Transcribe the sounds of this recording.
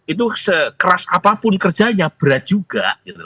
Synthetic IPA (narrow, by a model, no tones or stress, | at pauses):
it̪̬usəkəɾasapapʊnkərd͡ʒaɲab̥əɾat̪̚d͡ʒ̥uɡ̥aʔɡ̥it̪ul